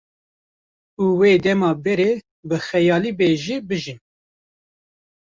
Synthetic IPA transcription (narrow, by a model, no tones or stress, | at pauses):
uweːd̪ɛmɑːbɛɾeː | bɨxɛjɑːliːbeːʒibɨʒin